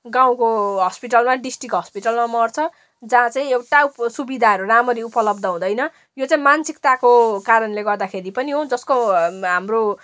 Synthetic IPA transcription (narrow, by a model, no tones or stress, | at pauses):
ɡaw̃koɦʌspiʈʌlmaɖisʈrikɦʌspiʈʌlmamʌrt͡sʰʌ | d͡zãt͡saĩewʈausubid̪ʱaɦʌɾuramʌɾiupʌlʌbd̪ʌɦũd̪ʌjnʌ | jot͡sãĩmansikt̪akokaɾʌnleɡʌrd̪akʰeɾipʌniɦod͡zʌskoɦamro